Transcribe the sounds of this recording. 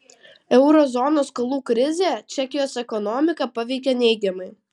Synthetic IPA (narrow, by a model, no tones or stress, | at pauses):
ɛʊɾɔzɔnoːskɐlˠuːkɾʲɪzʲeːt͡ʃʲɛkʲɪjoːsɛkɔnɔmʲɪkɐpɐʋʲɛɪkʲenʲɛɪɡʲɛmɐɪ